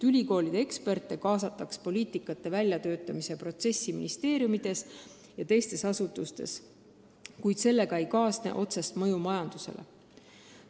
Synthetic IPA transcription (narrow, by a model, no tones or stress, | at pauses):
ylʲiko̞ːlid̪̥ee̞kspe̞rt̪ːˑe̞kɑːsɑt̪ːˑɑkspo̞lʲiːt̪ikːˑɑt̪ːˑe̞vælʲjɑt̪ø̞ːt̪ːˑɑmise̞pro̞t̪se̞sʲːimḭnist̪e̞ːɾjumid̪̥e̞s | jɑt̪e̞jst̪e̞sɑsut̪ːˑust̪e̞̰s | kujd̪̥se̞lːe̞kɑejkɑːsnḛʔo̞t̪sest̪mɤjumɑjɑnd̪̥use̞̰lʔe